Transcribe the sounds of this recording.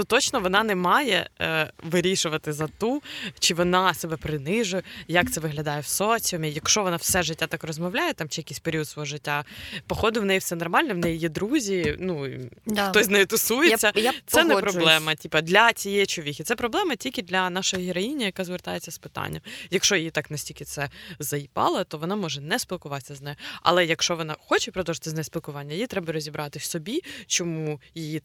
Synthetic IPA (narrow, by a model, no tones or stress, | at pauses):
nut̪ɔt͡ʃnɔʋɔnɑnɛmɑjɛ̰ʋɪɾʲiʃʊʋɐt̪ɪzɐt̪ut͡ʃɪʋɔnɑsɛbɛpɾɪnɪʒʊjjɐk̚t̪sɛʋɪɦlʲɐd̪ɑjɛwsɔt͡sʲɔmʲijɐkʃɔʋɔnɑwsɛʒɪtʲːat̪ɑkrɔzmɔʋlʲajɛt̪ɑmt͡ʃɪjɐkisʲpeɾʲiud̪sʋɔɦɔʐɪtʲːapɔxɔd̪ɪʋnɛjifsɛnɔrmɑlʲnɛwnɛjjɛd̪ɾuzʲinuxt̪ɔsʲznɛjit̪ʊsujet͡sʲːɐt̪sɛnɛpɾɔbllˠɛmɐtʲipɐd̪lʲɐt͡sʲijɛt͡ʃɔʋʲixʲɪt̪sɛpɾɔblˠɛmɐtʲilʲkʲɪd̪lʲɐnɑʃɔjɔɦʲɪɾɔjinʲijɐkɑzʋert̪ɑjet͡sʲːɐspɪ̥t̪ɑ̰nʲːɐmjɐkʃɔjit̪ɑknɐsʲtʲilʲkɪt̪sɛzɐjipɑ̰lˠɐt̪ɔʋɔnɑmɔʒɛnɛspʲilˠkʊʋɑsʲɐznɛjʊɐ̰lˠɛjɐkʃɔʋɔnɑxɔt͡ʃɪpɾɔd̪ɔʒt̪ɪznɛjspʲilˠkʊʋɑnʲːɐjɪjit̪ɾɛbɐɾɔzʲibɾɑt̪ɪsɔbʲit͡ʃɔmujɪji